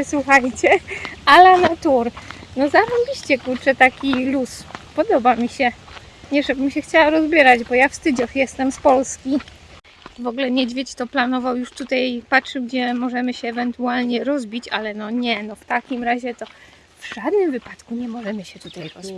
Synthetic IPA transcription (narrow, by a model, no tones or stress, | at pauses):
swuxajt͡ɕɛalanat̪uɾnɔzaɾɔmbʲiɕt͡ɕɛkuɾt͡ʂɛt̪akʲiluspɔd̪ɔbamʲiɕɛ | ɲɛʐɛbɘmɕɛxt͡ɕawaɾɔzbʲjɛɾad͡ʑbɔjafst̪ɘd͡ʑɔxjɛst̪ɛmspɔlskʲi | vɔɡulɛɲɛd͡ʑvʲjɛt͡ɕt̪ɔplanɔvawjuʂt̪ut̪ajpatʂɘwɡd͡ʑɛmɔʐɛmɘɕɛːvɛnt̪ualɲɛɾɔzbʲit͡ɕa̰lɛnɔɲɛnɔft̪akʲimɾaʑɛt̪ɔ | vʐ̥ad̪nɘmvɘpat̪kuɲɛmɔʐɛmɘɕɛt̪ut̪ajɾɔzbʲ